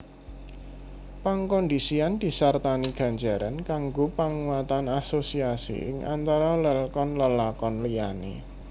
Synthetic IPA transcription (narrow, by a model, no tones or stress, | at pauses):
paŋkɔnd̪isiand̪̥i̤sart̪aniɡ̥a̤nd͡ʒa̤ɾankaŋɡopaŋuwat̪anasosiasḭʔɪ̰ŋʔa̰nt̪aɾaləlkɔnləlakɔnlijanḛ